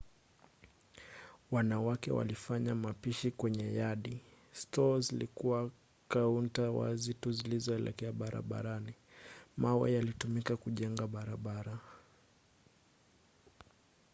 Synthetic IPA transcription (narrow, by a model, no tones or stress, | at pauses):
wanawakɛ̰wa̰lifaɲamapiʃikwɛɲɛjaɗi | stɔzilikuwa | kauntawa̰zituzilizɔɛlɛ̰kɛaɓaɾa̰ɓa̰ɾanimawɛ̰jalitumikakuʄɛŋɡaɓaɾaɓaɾa